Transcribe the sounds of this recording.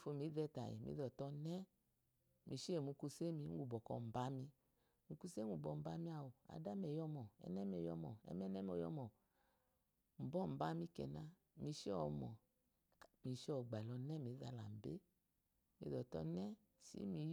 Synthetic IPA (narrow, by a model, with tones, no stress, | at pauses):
fo˧mi˨˦dɛ˧ta̰˨jḭ˨mḭ˧˦dɔ˨tɔ˧nɛ˦ | mʔi˧ʃe˦˨mu˨˧ku˧se˦mi˧˦u˨bɔ˨kɔ̰˧m̩˨ba˨˦mi˧ | mu˧ku˧se˦u˨bɔ˧˨m̩˨ba˧mi˦a˧˨wu˨a̰˨˧da˦mɛ˨jɔ˧mɔ˨ɛ̰˨˧nɛ˦m˦ɛ˧˨jɔ̰˧mɔ˨ɛ̰˧˦mɛ˦nɛ˦m˦ɔ˧˨jɔ̰˧˦mɔ˨ | m̩˨bɔ˦m̩˨ba˧˦mi˧kɛ̰˨na˧ | mi˧ʃi˦ɔ˧mɔ˨ | mi˨˧ʃɔ˨ɡ͡ba˨lɔ˧nɛ˦mi˨˦da˧la̰˨m̩˨bḛ˦ | mḭ˧ðɔ˨tɔ̰˧nɛ˦ | sḭ˨˦mi˧˦